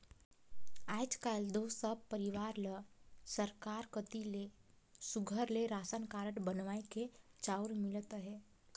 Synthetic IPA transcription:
aːd͡ʒkaːld̪oːsəbpəɾiʋaːɾləsəɾkaːɾkət̪ile | suɡʱəɾleɾaːsənkaːɾəʈbənʋaːeket͡ʃaːʊɾmɪlət̪ɦɛː

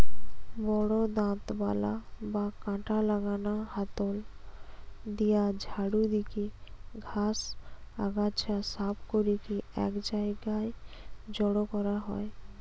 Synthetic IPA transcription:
bɔɽod̪ãt̪balabakãʈalaɡanaɦat̪ol | d̪ijad͡ʒʱaɽud̪ikiɡʱasa̰ɡat͡ʃʰasapʰkoɾikiɛ̰kd͡ʒaeɡajd͡ʒɔɽokɔɾaɦɔe

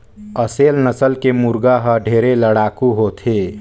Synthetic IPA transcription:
əseːlnəsəlkemuɾɡaɦəɖʱeːɾeləɽaːkuɦot̪ʰe

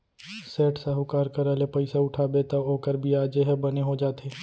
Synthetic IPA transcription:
seːʈsaɦʊkaːɾkɐɾɛlepɐɪsaʊʈʰaːbet̪ɐoːkəɾbʱiaːd͡ʒeɦɛbɐneɦod͡ʒaːt̪eː

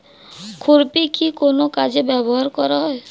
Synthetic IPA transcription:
kʰuɾpikʰikonokad͡ʒebɛbɔɦaɾkɔɾɔɦɔe

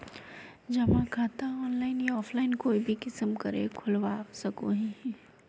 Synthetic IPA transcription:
d͡ʒɐmãkʰaːt̪aɔːnlaːɪnjaɔːfʰlaːɪnkoːibʱikɪsəmkɐɾḛkʰʊlwaːsɐkoɦĩɛ

